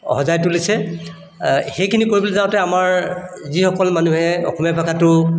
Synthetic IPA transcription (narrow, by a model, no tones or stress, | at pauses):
hɔzajtʊlisɛ | xejkʰinikoɹibɔlɛzaʊ̃tɛamaɹzixɔkɔlmanuɦɛɔ̰xɔmjapʰakatʊ